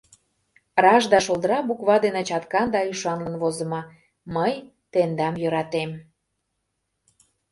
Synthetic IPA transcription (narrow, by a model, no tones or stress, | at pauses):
rɑʒd̪ɑʃolˠd̪əɾɑbukβɑd̪enĕt͡ɕɑt̪kɑnd̪ɑyʃɑnlənβozə̆mɑ | məj | t̪end̪ɑmjøɾɑt̪em